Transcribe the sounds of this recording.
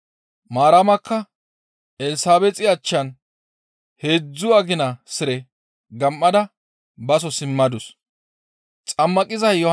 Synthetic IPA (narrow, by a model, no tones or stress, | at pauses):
maːɾamɐkːɐ | ɛlɪsaːbɛt͡sʼɪɐt͡ʃːɐn | heːd͡zːʊɐɡɪnɐsɪɾɛ | ɡɐmːɐd̪ɐ | bɐs̬ɔsɪmːɐd̪ʊs | t͡sʼɐmːɐkʼɪzɐjjɔh